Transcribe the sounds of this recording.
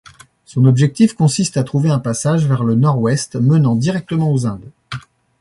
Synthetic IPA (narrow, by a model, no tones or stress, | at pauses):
sɔ̃nɔbʒɛk̚t̪ifkɔ̃sist̪at̪χuveɛ̃pasaʒvɛʁlənɔʁwɛst̪mənɑ̃d̪iʁɛk̚t̪əmɑ̃ozɛ̃d̪